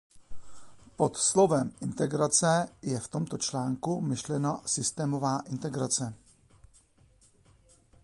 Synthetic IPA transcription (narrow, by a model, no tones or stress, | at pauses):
pot̪slo̞vɛmʔɪnt̪ɛɡɾat͡sɛjɛft̪o̞mt̪o̞t͡ʃlaːŋkumɪʃlɛnasɪst̪ɛːmo̞vaːʔɪnt̪ɛɡɾat͡sɛ